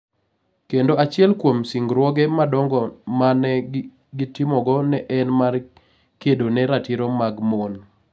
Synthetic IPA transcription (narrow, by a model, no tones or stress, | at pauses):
kendoat͡ʃɪɛlkwomsiŋɡɾwɔɡɛmadɔŋɡɔmanɛ | ɡitɪmɔɡɔnɛʔɛnmar | kedonɛɾatiɾɔmaɡmon